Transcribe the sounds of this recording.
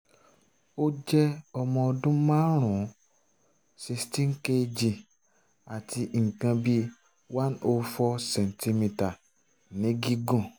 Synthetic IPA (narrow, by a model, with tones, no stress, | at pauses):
o˦d͡ʒɛ˦ɔ˧mɔ̃˧ɔ˧dũ˦mã˦ɾ̃ũ˨˦ | si˧stĩ˦ŋ̩˦ke˦d͡ʒi˧˨ | a˨ti˧˨ŋ̩˨kã˧bi˦ | wa˦no˧fɔ˧sɛ̃˨n˨ti˧mĩ˧ta˨ | nĩ˨˦ɡi˦ɡũ˦˨